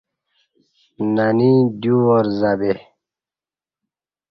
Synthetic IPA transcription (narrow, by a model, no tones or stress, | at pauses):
nanid̪uwoɾzabe